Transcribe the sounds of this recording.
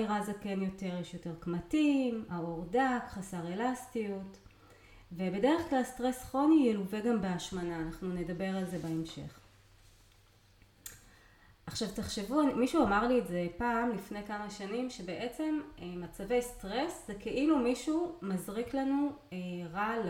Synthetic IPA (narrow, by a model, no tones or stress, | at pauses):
ʁazeke̞njo̞te̞ʁjeʃjo̞te̞ʁkmatimaoʁdakχasaʁe̞lastijut | vebe̞deʁeχklalstʁe̞sχo̞nijeluveɡambeaʃmanaːnaχnune̞dabe̞ʁalze̞baemʃe̞̰χ | ʔaχʃavtaχʃevumiʃuamaʁlieze̞paːmlifne̞jkamaʃanimʃebeʔe̞t͡se̞mmat͡save̞jstʁe̞szekeʔilumiʃumazʁiklanuʁal